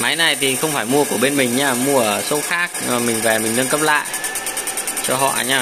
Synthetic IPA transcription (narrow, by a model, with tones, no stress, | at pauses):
ma˨˦jna˨˩jt̪ʰi˨˩xə˧wŋ͡mfaː˧˩jmu˧əku˧˩əɓe˧nmï˨˩ŋ̟ɲaː˧˩mu˧əsə˨˧˦wxaː˦˥k̚ːmï˨˩ŋ̟vɛ˨˩mï˨˩ŋ̟nə˧nkə˦˥p̚la̰ː˧˨j | t͡ɕɔ˧ɦɔ̰˧˨ʔjɲaː˧˩